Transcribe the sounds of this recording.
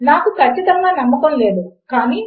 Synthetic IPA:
naːkukʰɐt͡ʃːit̪ɐŋɡaːnɐmːɐkonleːd̪ukaːniː

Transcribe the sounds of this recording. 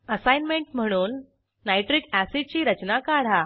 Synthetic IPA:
əsajnmeɳʈm̤əɽ̃uːnː | ajʈɾikæsit͡ɕiːɾət͡ɕnakaɽ̤a

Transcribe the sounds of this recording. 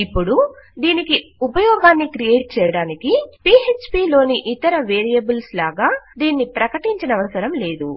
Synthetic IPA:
ipːuɽud̪iːnikiupɐjɔːɡaːnːikɾijeːʈ̚t͡ʃɛːjɐɽaːnikipiːet͡ʃpiːlo̞ːniʔit̪ɐɾɐʋeːɾijɐbulslaːɡaːd̪iːnːipɾɐkɐʈiɲt͡ʃɐnɐʋɐsɐɾɐmle̞ːd̪u

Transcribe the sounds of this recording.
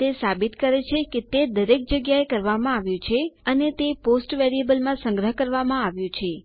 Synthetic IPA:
t̪esabit̪kəɾet͡ʃʰeket̪ed̪əɾek̚d͡ʒəɡjaekəɾʋamãaʋjũt͡ʃʰeənet̪eposʈʋeɾiebəlmãsə̃ŋɡɾəɦkəɾʋamãaʋjũt͡ʃʰe

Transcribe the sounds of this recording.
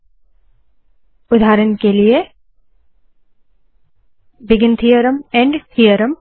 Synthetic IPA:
ʊd̪ʱaːɾənkelije | bɪɡɪnt̪ʰijəɾəmɛ̃ɳɖhijəɾəm

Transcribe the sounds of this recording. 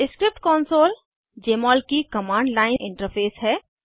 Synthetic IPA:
ɪskɾɪp̚ʈkɔːnsoːl | d͡ʒeːmɔːlkikɐmãːɳɖlaːɪnʔɪ̃ɳʈəɾpʰeːsɦɛː

